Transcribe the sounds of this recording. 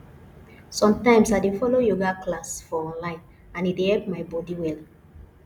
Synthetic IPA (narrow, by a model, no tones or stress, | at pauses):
sɔ̃mtãɪ̃msadefɔlojoɡaklasfɔɔ̃nlãɪ̃n | ãnidehɛlp̚maɪbɔdiwɛl